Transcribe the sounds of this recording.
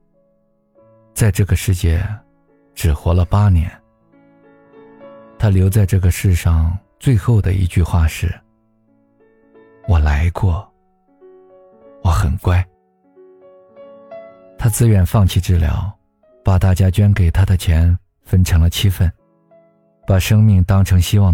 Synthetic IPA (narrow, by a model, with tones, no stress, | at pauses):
t͡sa˥˧ɪʈ͡ʂɤ˥˩ɡə˩ʂɻ̩˥˩t͡ɕjɛ̰˥˩ | ʈ͡ʂɻ̩˨˩xwɔ˧˥lə˧pa˥njɛ˧˥n | t̪ʰa˥ljo˧˥ʊt͡sa˥˧ɪʈ͡ʂɤ˥˩ɡə˩ʂɻ̩˥˧ʂɑ˥˧ŋt͡swe˥˧ɪxo˥˩ʊd̪ə˩ḭ˧˥t͡ɕy˥˧xwa˥˧ʂɻ̩˥˩ | wɔ˨˩la˧˥ɪkwɔ˥˩ | wɔ˧˩˦xə˨˩nkwa˥˩ɪ | t̪ʰa˥t͡sɹ̩˥ɥɛ˨˩nfɑ˥˧ŋt͡ɕʰi˥˧ʈ͡ʂɻ̩˥˩ljɑ̰˧˥ʊ | pa˨˩t̪a˥˩t͡ɕja˥t͡ɕɥɛ˥nke˨˩ɪt̪ʰa˥d̪ə˨t͡ɕʰjɛ˧˥n | fə˥nʈ͡ʂʰɤ˧˥ŋlə˧t͡ɕʰi˥fə˥˩n | pa˨˩ʂɤ˥ŋmi˥˩ŋt̪ɑ˥ŋʈ͡ʂʰɤ˧˥ŋɕi˥wɑ˥˩